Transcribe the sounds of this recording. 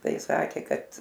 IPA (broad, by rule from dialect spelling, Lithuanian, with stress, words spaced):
ˈtɐɪ ˈsɑːkʲeː ˈkɐt